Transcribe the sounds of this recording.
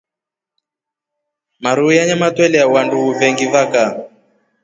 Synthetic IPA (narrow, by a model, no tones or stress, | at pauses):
maɾujaɲamatwɛlɛawanduɣuvɛŋɡivaka